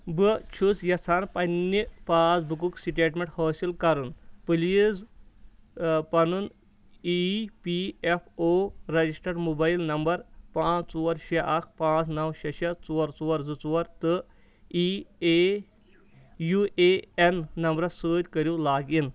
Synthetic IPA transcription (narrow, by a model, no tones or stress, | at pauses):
bɨt͡ʃʰusjɐt͡sʰanpɐnːipaːd͡zbuk̬uksiʈeːʈmʲeɳʈhɐːsilkɐɾunpɨliz | pɐnun | ipiefʰoɾɐd͡ʑisʈɐɾmubajilnɐmbɐɾpãːt͡st͡suɐɾɕeʔɐkʰpãːt͡snɐwɕɐɕet͡suɐɾt͡suʋɐɾd͡zut͡suʋɐɾt̪ɨ | ie | juʔeenːɐmbɾɐsəːd̪ʲkɐɾjulaːɡin